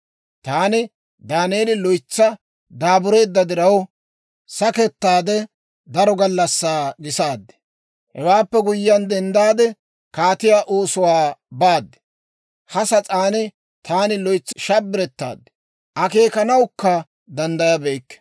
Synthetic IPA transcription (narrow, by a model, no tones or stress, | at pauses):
t̪aːnɪ | d̪aːneːlɪlɔjt͡sːɐ | d̪aːbʊɾeːd̪ːɐd̪ɪɾɐw | sɐkɛt̪ːaːd̪ɛ | d̪ɐɾɔɡɐlːɐsːaːɡɪsaːd̪ːɛ̥ | hɛwaːpːɛɡʊjːɐnd̪ɛnd̪aːd̪ɛ | kaːt̪ɪjaːʔoːsʊwaːbaːd̪ːɛ̥ | hɐsɐt͡sʼaːnɪ | t̪ʰaːnɪlɔjt͡sːɪʃɐbːɪɾɛt̪ːa̰ːd̪ɛ̥ | ʔɐke̞ːkɐnɐwkːɐ | d̪ɐnd̪ɐjɐbejkːɛ̥